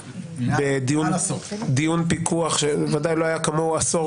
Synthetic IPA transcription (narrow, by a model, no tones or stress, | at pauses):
bed̪ijund̪ijunpikʰuaχʃeevadajlo̞ajakamoaso